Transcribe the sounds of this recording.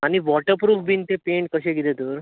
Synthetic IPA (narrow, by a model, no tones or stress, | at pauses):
añiʋɔʈəɾpɾuːfbint̪epeɳʈ̚kəɕẽɡid̪ed̪uɾ